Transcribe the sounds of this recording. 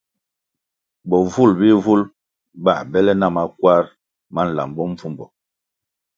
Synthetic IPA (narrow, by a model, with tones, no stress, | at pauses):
bɔ˨vu˦˨lbi˦vu˦l | ba̰˦˨bɛ˦lɛ˦na˦˨ma˦kwa˦ɾ | ma˦n̩˨la̰˨mbɔ˦ɱ̩˦vu˦mbɔ˨